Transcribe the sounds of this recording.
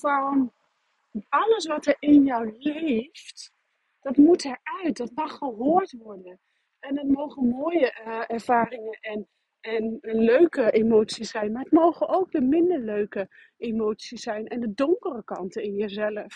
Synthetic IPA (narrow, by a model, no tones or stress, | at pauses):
fɑn | ɑləs̬ʋɑtɛɹɪnjɔwlejft | d̥ɑtmutɛɹœɥt̚dɑtmɑχəɦoːɹtʋɔɹdən | ʔɛnətmowχənmoːjəɛɹv̥aːrɪŋəʔɛn | ɛnløɥkəʔemowtsisɛjnmaːɦətmowχənowk̚dəmɪndəɹløɥkə | ʔemowtsisɛjnʔɛndədoŋkərəkɑ̰ntəɪnjəzɛləf